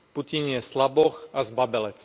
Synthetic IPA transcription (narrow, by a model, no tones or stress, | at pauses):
pucinjɛslabɔxazbabɛlɛt͡s